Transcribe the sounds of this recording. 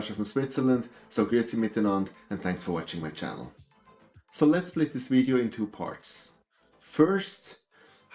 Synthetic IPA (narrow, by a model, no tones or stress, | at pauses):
ʃəfɹʌ̃mswɪtsə˞lə̃nd̥soʊɡɹɪtsimɪtənɑ̃ndɨ̃nθæ̃ŋksfə˞wɑt͡ʃɪ̃ŋmaɪt͡ʃʰæ̰nl̩ˠ | soʊlətspʰl̥ɪt̪̚ðɪsviɾioʊɪ̃ntʰupʰɑ̰ɹts | fɜ˞st | h